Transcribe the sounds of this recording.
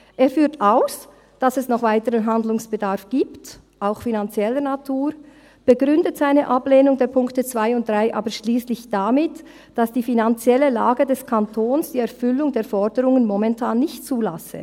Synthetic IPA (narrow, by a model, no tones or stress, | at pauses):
ʔeːfyːtaʊs | d̥asɛsnɔχv̥aɪtəʁənɦandlʊŋsb̥ədaɾfɡ̥iːpt | ʔaʊxfinant͡sjɛlənatʰuːɾ | b̥əɡʁʏndətz̥aɪnəʔapleːnʊŋdeːɐpʰʊŋktət͡sv̥aɪʊnt̚d̥ʁaɪʔa̰ːbəʃliːslɪçd̥amɪt | d̥asd̥iːfinant͡sjɛləlaːɡədɛskʰantʰoːnsd̥iːɛɾfʏlʊŋdeːɐfɔɾdəɾʊŋənmɔmɛntʰaːnːɪçtt͡suːlasə̰